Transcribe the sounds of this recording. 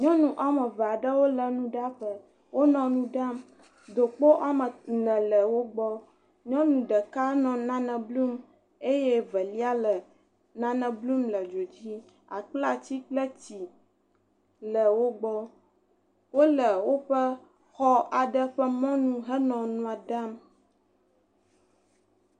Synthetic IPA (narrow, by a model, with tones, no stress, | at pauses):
ɲɔ̃˦nũ˦ʔa˨mə̃˨vɛ˨a˨ɖə˦wo˦lə˨nũ˦ɖa˦ɸə˦ | wo˦nɔ̃˨nũ˦ɖa˦m | d̪o˨k͡po˦ʔa˦mə˨nɛ̃˨lə˨wo˦ɡ͡bɔ˦ | ɲɔ̃˦nũ˨ɖə˨ka˦nɔ̃˨nã˦nə̃˨blu˦m | e˦jɛ˦və˨li˦a˦lə˨ | nã˦nɛ̃˨blu˦mlə˨d͡ʒo˨d͡ʑi˦ | a̰˨k͡pla˨t͡ɕi˦k͡plə˦t͡ɕi˨ | lə˨wo˦ɡ͡bɔ˦ | wo˦lə˨wo˦ɸə˦ | xɔ˦a˨ɖə˦ɸə˦mɔ̃˦nũ˦ɦə˦nɔ̃˨nũ˦a˨ɖa˦m